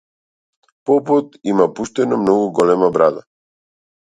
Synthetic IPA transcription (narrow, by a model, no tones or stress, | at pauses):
pɔput̪imapuʃt̪ɛnɔmnɔɡuɡɔlɛmabɾad̪a